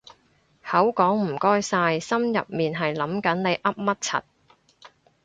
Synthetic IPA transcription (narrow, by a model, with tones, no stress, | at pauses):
hɐ˨˥wkɔː˨˥ŋm̩˨˩kɔː˥jsaː˧jsɐ˥mjɐ̰˨p̚miː˨˩nɦɐ˨jlɐ˨˥mkɐ˨˥nne˨˧jʔɐ˥p̚mɐ˥t̚t͡sʰɐ̰˨t̚